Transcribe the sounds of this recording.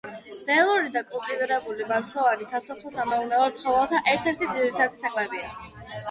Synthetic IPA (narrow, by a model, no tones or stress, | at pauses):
ɛalˠuɾid̪akʼɔlk̪ʼid̪uɾɛbulimaɾsɔvaɾisasɔpʰlˠɔsamɛunavaɾt̪sʰχɔvalˠt̪ʰaʔɛɾt̪ʰɛɾt̪ʰid̪ziɾit̪ʰad̪isakʼmɛbia